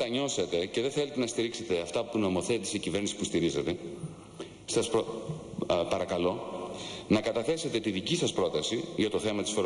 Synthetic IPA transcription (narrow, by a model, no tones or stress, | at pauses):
t̪ɐɲo̞set̪e̞ceðe̞θe̞let̪enɐst̪iɾikse̞t̪e̞ɐft̪ɐpuno̞mo̞θet̪iseicive̞ɾnisi̥pust̪iɾizet̪e̞ | sɐsp | pɐɾɐkɐlo̞ | nɐkɐt̪ɐθe̞se̞t̪e̞t̪iðicisɐspɾo̞t̪ɐsiʝɐt̪o̞θe̞mɐt̪isfoɾ